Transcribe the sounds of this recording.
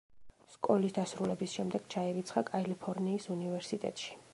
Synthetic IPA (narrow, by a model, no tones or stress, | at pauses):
skʼɔlisd̪asɾulɛbisʃɛmd̪ɛɡ̥t͡ʃʰaiɾit̪sʰχakʼalipʰɔɾniːsunivɛɾsit̪ʼɛ̰t̪ʼʃi̥